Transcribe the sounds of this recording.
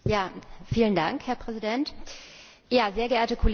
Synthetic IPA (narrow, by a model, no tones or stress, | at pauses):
jaːfiːlənda̰ŋkhɛɐpʁ̥ɛzidɛnt | jaːzeːɐɡəʔeːɐtəkʰol